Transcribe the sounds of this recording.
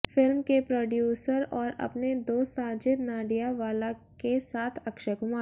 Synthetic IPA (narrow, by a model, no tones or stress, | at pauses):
fɪlmkepɾoːɖjuːsəɾɔːɾɐ̰pned̪oːsaːd͡ʒɪt̪naːɖijaʋaːla | kesaːt̪ʰɐkʃəkʊmaː